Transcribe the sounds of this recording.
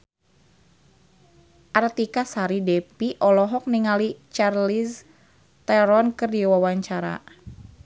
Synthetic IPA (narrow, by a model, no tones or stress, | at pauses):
ʔart̪ikasaɾidɛpiʔɔlɔɦɔk̚niŋalit͡ʃarlis | t̪ɛɾɔnkɨrdiwawaɲt͡ʃaɾa̰